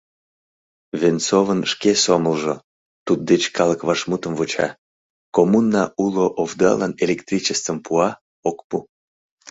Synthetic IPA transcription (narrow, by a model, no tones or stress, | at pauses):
vent͡sovənʃkesoməlʒo | t̪ud̪̚d̪et͡ɕkɑləkβɑʃmut̪əmvot͡ɕɑ̰ | komunːɑʔuloʔovd̪ɑ̰lɑnelʲekt̪rʲit͡ɕəst̪əmpʰuɑ | okpu